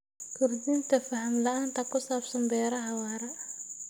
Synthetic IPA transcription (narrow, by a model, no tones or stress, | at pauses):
kʰʊɾdint̪ʰɐfɐhɐmlɐʔaːnt̪ʰɐkʊsaːbsɔmbɛːɾɐhawaːɾɐ